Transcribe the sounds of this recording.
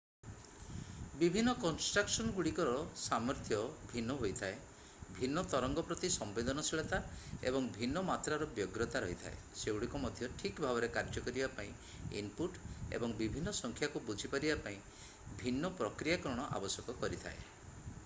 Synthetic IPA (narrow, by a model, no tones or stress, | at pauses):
bibʱinːɔkɔnsʈɾaksɔnɔɡuɽikɔɾɔsamɔɾt̪ʰjɔbʱinːɔɦojt̪ʰae | bʱinːɔt̪ɔɾɔŋɡɔpɾɔt̪isɔmbed̪ɔnɔsiɭɔt̪aḛbɔŋbʱinːɔmat̪ɾaɾɔbjɔɡɾɔt̪aɾɔɦit̪ʰa̰eseuɽikɔmɔd̪ʱjɔʈʰikbʱabɔɾekaɾd͡ʒɔkɔɾibapaĩ | ḭnpuʈḛbɔŋbibʱinːɔsɔŋkʰjakubud͡ʒʱipaɾibapaĩ | bʱinːɔpɾɔkɾijakɔɾɔɽ̃ɔʔa̰bɔsjɔkɔkɔɾit̪ʰa̰e